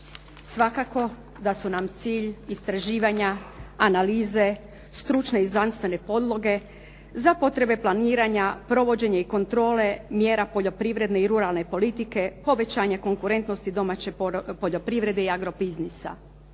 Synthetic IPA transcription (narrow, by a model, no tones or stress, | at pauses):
sʋakako̞ | d̪asunamt̪siːʎist̪ɾaʒiːʋaɲaːnaliːze̞ | st̪ɾut͡ʃne̞iznanst̪ʋe̞ne̞po̞d̪lˠo̞ɡe̞ | zapo̞t̪ɾe̞be̞plˠaniːɾaɲapɾo̞ʋo̞d͡ʑe̞ɲaiko̞nt̪ɾo̞ːle̞mje̞ːɾapo̞ʎo̞pɾiʋɾe̞d̪ne̞iɾuɾalˠne̞po̞lit̪ike̞po̞ʋe̞t͡ɕaːɲako̞ŋkuɾe̞nt̪no̞st̪id̪o̞mat͡ɕe̞po̞ʎo̞pɾiʋɾe̞d̪eiaɡɾo̞biznisa̰